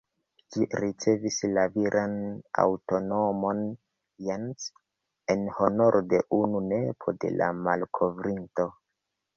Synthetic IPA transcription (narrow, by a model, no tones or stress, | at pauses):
d͡ʒiɾit͡se̞vislaviɾʔana̰wto̞no̞mo̞n | jans | e̞nho̞no̞ɾʔode̞ʔununepʰo̞de̞̰la̰malkʰo̞vɾinto̞